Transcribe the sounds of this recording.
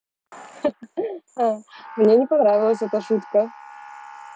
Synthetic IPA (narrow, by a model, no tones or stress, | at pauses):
amnʲenʲɪpɐnɾavʲɪlˠəsʲɛt̪əʂut̪kə